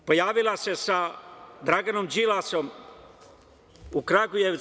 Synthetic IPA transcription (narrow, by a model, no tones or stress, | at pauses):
pojaːʋilˠasesad̪ɾaɡanomd͡ʒilasom | ukɾaɡuje